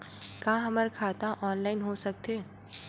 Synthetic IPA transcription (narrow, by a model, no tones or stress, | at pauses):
kãːɦɐməɾkʰaːt̪ãʔɔːnlaːɪnɦosɐk̚t̪eː